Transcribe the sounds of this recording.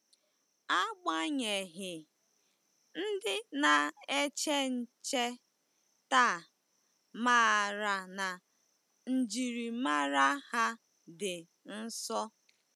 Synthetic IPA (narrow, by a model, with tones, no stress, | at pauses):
a˦ɡ͡ba˦ɲe˨ɦɪ˨ | n̩˦dɪ˦na˨e˦t͡ʃe˦n̩˨t͡ʃe˦ | ta˦˨ | ma˦˨ɾa˨na˨ | n̩˨d͡ʒi˨ɾi˨ma˦ɾa˦ha˦ | dɪ˨ | n̩˦sɔ˦